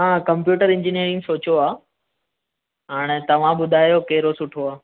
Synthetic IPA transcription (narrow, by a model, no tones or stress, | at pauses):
ɦãkɐ̃mpjuːʈəɾɪ̃ɲd͡ʑɪnijəɾɪ̃ŋsoːt͡ɕoaː | ɦaːɽ̃et̪ɐʋ̤ãbʊd̪ʱaːjokeɦɪɾosʊʈʰoaː